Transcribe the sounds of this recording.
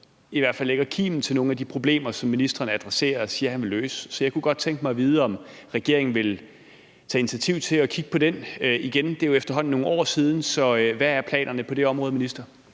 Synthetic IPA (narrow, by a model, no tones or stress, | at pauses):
iʋæɐ̰̥fælːeɡ̥ɐkʰḭːmn̩t͡sʰe̝lno̝ːn̩æd̥ipʰʁo̝b̥le̝̰ːmɐsɒ̽mːinisd̥ʁɐːnəæd̥ʁase̝̰ːɐɒsiːɐhænʋeløːsə̥sɒjɑ̈ɪkʰuɡ̥ɒ̽d̥̚t͡sʰeŋɡ̥əmɑ̈ɪʋiːð̞ˠəɒ̽mʁɛɡ̥e̝ɐ̰e̝ŋn̩ʋe̝l | t͡sʰɛ̰ːi̝nit͡sʰiɐt͡sʰiʊ̰t͡sʰe̝lɒ̽kʰiɡ̥ə̥pʰɒ̽d̥enøiɡ̥end̥e̝joefd̥ɐɦɒ̽n̰n̩ːo̝ːn̩ɒ̰ːsiːð̞ˠn̩sɒ̽ʋææɐpʰlɛ̰ːnɐnəpʰɒ̽d̥e̝ɒ̽mʁɔ̽ðˠminisd̥ʁɐ